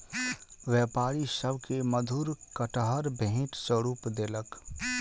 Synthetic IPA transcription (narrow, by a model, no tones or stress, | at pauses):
ʋjɛːpaːɾisəbʱkeməd̪ʱuːɾkəʈəɦəɾbʱẽʈsəɾuːpd̪eːlək